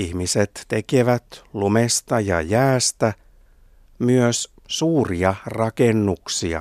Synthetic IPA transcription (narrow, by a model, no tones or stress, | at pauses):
ihmiset̪ːe̞keʋæt̪lumest̪ɑjɑ̰jæːst̪æ | myøs | suːriɑrɑkenːuksiɑ̰